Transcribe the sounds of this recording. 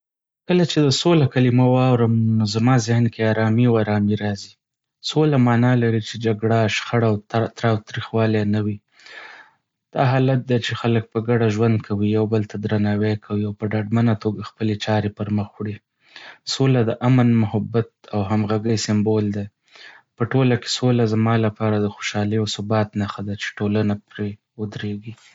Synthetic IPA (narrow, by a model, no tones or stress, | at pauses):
kəlat͡ʃed̪əsolakalimawɑwɾəmnozamɑzɪhnkeɑɾɑmiawaɾɑmiɾɑzi | solamɑnɑlaɾit͡ʃed͡ʒaɡɽaʃxaɽawt̪ɾɑwt̪ɾixwɑlenawi | d̪̥ɑɦɑlat̪̚d̪et͡ʃexalək̚pəɡaɖaʒwand̪̚kʰawijawbəlt̪ʰad̪ɾanɑwekʰawiawpəɖaɖmanat̪oɡaxpəlet͡ʃɑɾepəɾməxwɽi | solad̪əʔamənmʊhabat̪̚awɦamɣaɡəjsɪmbold̪e | pəʈolake̥solazamɑlapɑɾad̪əxoʃɑləjawsʊbɑt̪naxad̪at͡ʃe̥ʈolanapɾe | ʊd̪ɾeɡi